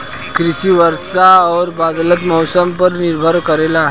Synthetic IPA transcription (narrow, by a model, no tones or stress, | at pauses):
kɾisiːʋəɾsaɔɾbad̪lət̪mɔwsəmpəɾniɾbʱəɾkəɾelaɦe